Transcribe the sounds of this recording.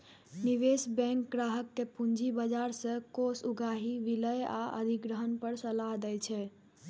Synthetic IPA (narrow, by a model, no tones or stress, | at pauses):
niʋesbɛ̃ŋkɡɾaɦəkːepund͡ʒʱibəd͡ʒaɾsə̃kosuɡaɦiʋiləja̰ə̰d̪ʱiɡɾəɦənpəɾsəlaɦd̪ɛjt͡ʃʰɛ